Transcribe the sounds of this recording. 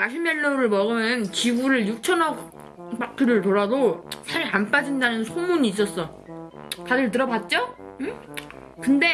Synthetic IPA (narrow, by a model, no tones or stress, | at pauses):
aɕʰimːeɭːoɾɯɭmʌɡɯmnt͡ɕiɡuɾɯɭjuk̚t͡ɕʰʌnʌ | p͈akʰɯɾɯɭtoɾadosʰaɾanp͈ad͡ʑindanɯnsʰomuɲiːs̬͈ʌs͈ʌ | tadɯɭt̬ɯɾʌbat̚t͡ɕ͈oɯ | kɯnde̞